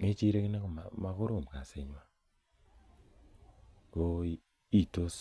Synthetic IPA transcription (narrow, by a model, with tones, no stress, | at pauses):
ŋe˦t͡ʃi˦ɾe˦kɪ˦na˦ko˨ma˨ma˦kʊ˦ɾo˨mka˨se˨ɲwa˦ | ko˦i˦ | i˦˨to˦s